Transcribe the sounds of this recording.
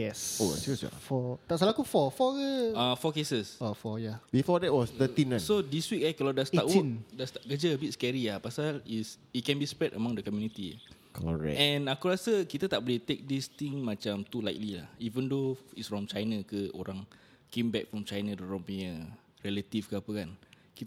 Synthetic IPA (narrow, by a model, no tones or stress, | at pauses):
jɛso̰sjusja̰fɔt̪aʔsəlakufɔfɔəafɔkesəsofɔjabifɔdɛt̚wɔst̪ət̪ĩnãsodiswik̚akəladast̪aʔwndast̪aʔ̚kəd͡ʒəəbit̚skɛɹiapasalis | it̚kɛ̃nbispɹɛdʔəmãŋdəkɔmjunit̪ḭ | kʰɔ̰ɹɛ̰ɛ̃nakuɾasəkit̪ət̪aʔbɔlit̪ek̚dist̪ĩŋmãt͡ʃamt̪ulajk̚lilahivə̃ndoitsfɹɔ̃mt͡ʃajnakəo̰ɾãŋ | kẽmbɛk̚fɹɔ̃mt͡ʃajnadɛɹɔ̃mpiɲə | ɹɛlət̪ifkəapəkan | kit̪